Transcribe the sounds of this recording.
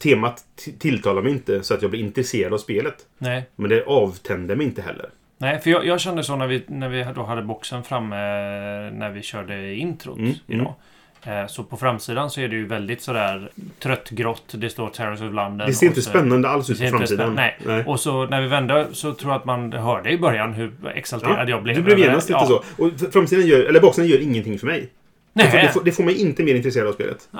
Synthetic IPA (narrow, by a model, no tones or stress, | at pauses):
t̪ʰeːmat̪t̪ʰːɪlt̪ʰɑːlaɾmɛjɪnt̪əsɔat̪jɑːblɪɾɪnt̪ɾɛseːɾad̪avspeːlət̪nɛːmɛnd̪ɛʔɑːvt̪ʰɛnd̪əmɛjɪnt̪əɦɛ̰lːə̰ɾ | nɛːfəɾjɑjɑːɡɕɛnd̪əsonæɾvɪnæɾvɪɦd̪oɦad̪ːəbɔksənfɾamːə | næɾvɪɕœːɖəɪɪnt̪ʰɾʊ̰t̪ɪ̰d̪̰ː | sɔpʰɔfɾamsiːd̪ansɔæɖɛjɵvɛld̪ɪt̪sɔd̪æːɾt̪ʰɾœt̪ːɡɾɔt̪ːd̪ɛst̪oːɾt̪ʰæɾəsɔvland̪əɛseɾɪnt̪əspɛnːand̪əalsʉːsɪnfɾamsiːannɛɪɛʔɔsɔnæɾvɪvɛnd̪əsɔt̪ʰɾuːjat̪manɦœːɖəɪbœɾjanɦɵɛ̰ksalt̪eɾa̰d̪əjɑːɡblɛd̪ɛlɛvjeːnast̪liːəsɔɔfɾams̬iːd̪anjœːɾɛlːəbɔksənjœːɾɪŋːənt̪ʰɪŋːfœɾmɛj | nɛd̪ɛfd̪ɛfoːɾmɛjɪnt̪əmeːɾɪnt̪ɾɛseːɾd̪avspḛːlə̰t̪